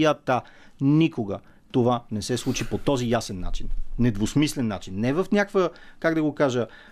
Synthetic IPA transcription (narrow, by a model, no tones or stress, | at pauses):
ət̪anikoɡə | t̪ovanɛsɛslˠut͡ʃipot̪ɔzijasɛnːa̰t͡ʃinːɛd̪vosmislɛnːa̰t͡ʃinːɛvəfnʲakvəkaɡd̪ɐɡokaʒə